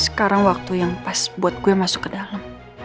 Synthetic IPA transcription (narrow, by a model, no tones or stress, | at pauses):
sə̥kaɾaŋwak̚t̪ujaŋpasbuat̪̚ɡuamasʊkːədalam